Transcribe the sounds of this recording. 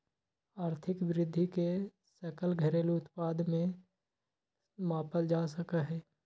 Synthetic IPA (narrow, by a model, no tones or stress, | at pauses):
aːɾt̪ʰɪkʋɪɾɪd̪ʱːike | səkəlɡʱəɾeːlʊt̪paːd̪mẽ | maːpəld͡ʒaːsəkaɦɛː